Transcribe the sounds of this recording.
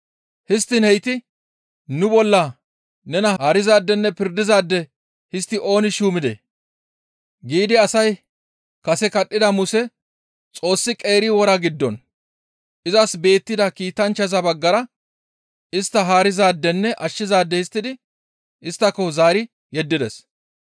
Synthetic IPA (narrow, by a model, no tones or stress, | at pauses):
hɪst̪ːɪnhɛjt̪ɪ | nʊbɔlːɐ | nɛnɐaːɾɪzaːd̪ːɛnːɛpɪɾd̪ɪzaːd̪ːɛ | hɪst̪ːɪʔo̞ːnɪʃuːmɪd̪ḛ | ɡiːd̪ɪɐsɐj | kɐsɛkɐɗːɪd̪ɐmʊsɛ | t͡sʼo̞ːsːɪkʼe̞ːɾɪwɔɾɐɡɪd̪ːɔn | ʔɪzɐsbe̞ːt̪ːɪd̪ɐkiːt̪ɐnt͡ʃːɐzɐbɐɡːɐɾɐ | ɪst̪ːɐɦaːɾɪzaːd̪ːɛnːɛʔɐʃːɪzaːd̪ːɛhɪst̪ːɪd̪ɪ | ɪst̪ːɐkːɔzaːɾɪ | jɛd̪ːɪd̪ɛs